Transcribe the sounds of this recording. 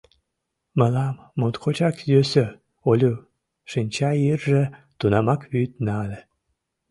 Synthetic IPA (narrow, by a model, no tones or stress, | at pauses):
məlɑmːot̪kʰot͡ɕɑkjøsø | olʲu | ʃinʲt͡ɕɑjirʒĕ | t̪unɑmɑkβyt̪nɑlʲe